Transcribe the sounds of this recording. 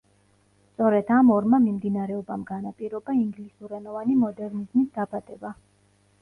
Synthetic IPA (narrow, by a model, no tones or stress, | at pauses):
t̪sʼɔɾɛd̪̥amɔɾmamimd̪inaɾɛɔbamɡanapʼiɾɔbaiŋɡlisuɾɛnɔvanimɔd̪ɛɾnizmisd̪abad̪̥ɛba